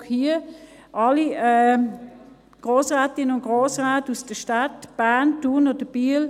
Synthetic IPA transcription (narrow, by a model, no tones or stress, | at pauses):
hiːə | ʔɑliɛ | ɡ̥ʁoːsʁaːtɪnənʊnɡ̥ʁoːsʁaːtusd̥əʃtatb̥aːntuːnɔd̥əb̥iːəl